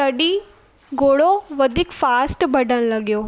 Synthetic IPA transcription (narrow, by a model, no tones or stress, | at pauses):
ɐɗi | ɡoːɽoʋɐd̪ʱɪkfaːsʈbʱɐɖʱəɽ̃lɐɡjoː